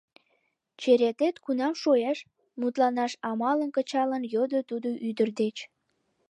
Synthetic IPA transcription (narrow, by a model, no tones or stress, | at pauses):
t͡ɕeɾet̪et̪kunɑmʃojeʃ | mut̪lɑnɑʃɑmɑlənkət͡ɕɑlənjod̪ət̪ud̪oʔyd̪ərd̪et͡ɕ